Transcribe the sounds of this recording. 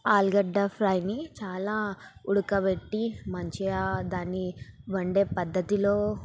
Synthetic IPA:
aːlɡɐɖːɐpʰɾɐjnit͡ʃaːlaːuɽukɐʋeʈːimɐɲt͡ʃiad̪aːnːiʋɐɳɖe̞ːpɐd̪ːɐt̪ilo̞ː

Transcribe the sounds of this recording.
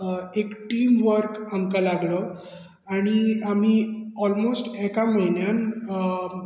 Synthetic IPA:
ekʈiːmʋəɾkamkalaɡlə | aɽ̃iam̤iːɔlmosʈɛkam̤əɦinjan

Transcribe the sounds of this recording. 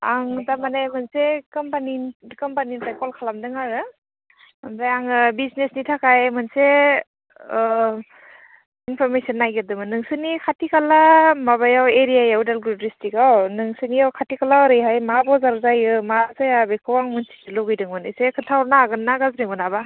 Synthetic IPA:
aŋdamanajmɯnsekɔmpanikɔmpaninsajkɔlkʰalamdɯŋaɾɯ | amdajaŋɯbiznesnitʰakajmɯnse | inpʰɔɾmesɔnːajɡɯdɯmɯnɯŋsɯnikʰatikalamaβajaweɾijajaudalɡubɾistʰikawnɯŋsɯniawkʰatikʰalaɔɾɯjɦajmabɔzaɾzajɯmazajabekʰɯwaŋmɯnsi̥ɯlɔɡɯjdɯŋmɯnɯsekʰɯtʰawɾnaːɡɯnːaɡazɾimɯnaba

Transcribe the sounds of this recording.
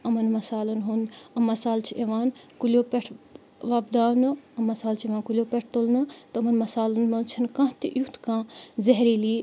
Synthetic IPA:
ɐmɐnmɐsaːlunɦund̪ɐmːɐsaːlt͡ʃʰiʔeʋaːn | kuljoːpeʈʰ | ʋɐbd̪aːnɨɐmːɐsaːlt͡ʃʰeʋãːnkulʲjoːpʲeʈ̚ʰt̪olnɨt̪ɨɐmɐnmɐsaːlunmɐnt͡ʃʰɐnkãːt̪ḭʔjut̪kãːzɐɦɾiːliː

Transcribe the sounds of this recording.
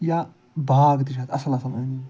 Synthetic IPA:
ja | baːɡd̪iʃ̬aːt̪ɐsɐlasɐmani

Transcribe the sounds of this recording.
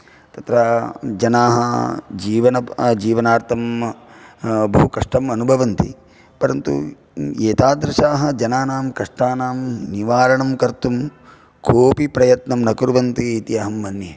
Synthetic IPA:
t̪ɐt̪ɾɐd͡ʒɐnaːɦɐd͡ʒiːʋɐnɐd͡ʒiːʋɐnaːɾt̪ʰɐm | bɐɦukɐʂʈɐmɐnubʱɐʋɐnt̪ḭ | pɐɾɐnt̪ṵ | eːt̪aːd̪ɾɐʃaːɦɐ̆d͡ʒɐnaːnaːmkɐʂʈaːnaːmniʋaːɾɐɳɐmkɐɾt̪um | kʰoːpipɾɐjɐt̪nɐmnɐkuɾʋɐnt̪iːt̪iɐɦɐmːɐnje

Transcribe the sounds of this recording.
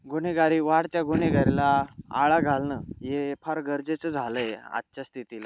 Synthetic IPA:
ɡuñeɡaɾiːʋaɽt̪jaɡuneɡaɾilaa̰ɭaɡʱalnəːjepʰəɾɡəɾd͡zet͡səd͡zʱaləea̰tːt͡ɕast̪ʰit̪ila

